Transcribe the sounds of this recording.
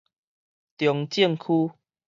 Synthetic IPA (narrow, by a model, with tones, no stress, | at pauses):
t̪jɔ˨ŋt͡ɕi˥˧˨ŋkʰu˦